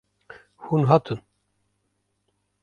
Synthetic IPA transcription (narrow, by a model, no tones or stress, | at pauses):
hunɦat̪ʰɨn